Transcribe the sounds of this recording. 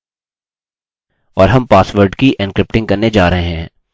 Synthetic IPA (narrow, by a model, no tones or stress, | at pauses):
ɔːɾɦɐmpaːsʋəɾɖkiʔɛnkɾɪp̚ʈɪ̃ŋɡkɐɾned͡ʒaːɾɐɦeɦɛ̃ː